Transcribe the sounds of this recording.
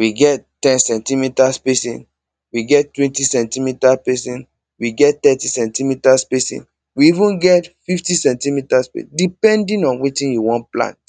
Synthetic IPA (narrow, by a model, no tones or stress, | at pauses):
wiɡɛttːɛ̃nsɛ̃ntimitaspesḭ̃n | wiɡɛttːwɛ̃ntisɛ̃ntimitapɛsĩn | wiɡɛtt̪ɛtisɛ̃ntimitaspesḭ̃n | wiivũnɡɛtfiftĩsɛ̃ntimitaspḛsdipɛ̃ndĩnɔ̃nwetĩnjuwɔ̃nplã̰nt